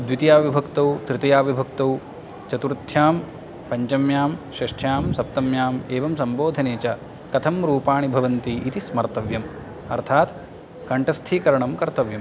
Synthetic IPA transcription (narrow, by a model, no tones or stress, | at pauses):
d̪ʋit̪ijaːʋibʱɐkt̪ɐwt̪ɾɪt̪ɐjaːʋibʱɐkt̪ɐw | t͡ʃɐt̪uɾt̪ʰjaːm | pɐɲt͡ʃɐmjaːmʃɐʂʈʰjaːmsɐp̚t̪ɐmjaːmeːʋɐmsɐmboːd̪ʱɐneːt͡ʃɐ | kɐt̪ʰɐmɾuːpaːɳibʱɐʋɐnt̪iʔit̪ismɐɾt̪ɐʋjɐm | ɐ̰ɾt̪ʰaːt̪ | kɐɳʈɐst̪ʰiːkɐɾɐɳɐmkɐɾt̪ɐʋjɐm